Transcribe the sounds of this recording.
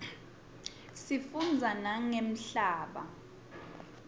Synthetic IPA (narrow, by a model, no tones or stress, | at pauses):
sifund͡zʱanaŋem̩ɬaːɓa̰